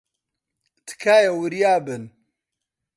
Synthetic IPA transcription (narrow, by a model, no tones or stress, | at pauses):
t̪ʰɨ̥kʰaːjɐwuɾjaːbɨn